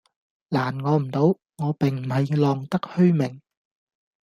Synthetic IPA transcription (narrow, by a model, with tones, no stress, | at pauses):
laː˨˩nŋɔː˨˧m̩˨˩t̪o˨˥w | ŋɔː˨˧pɪ˨˩ŋm̩˨˩hɐ˨jlɔː˨˧ŋt̪ɐ˥k̚hɵ˥ɥmɪ˨˩ŋ